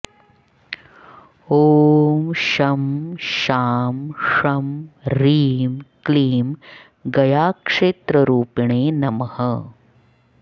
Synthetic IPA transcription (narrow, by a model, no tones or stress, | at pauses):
oːmʃɐmʃaːmʂɐmɾiːmkliːm | ɡɐjaːkʂeːt̪ɾɐɾuːpiɳeːnɐmɐhɐ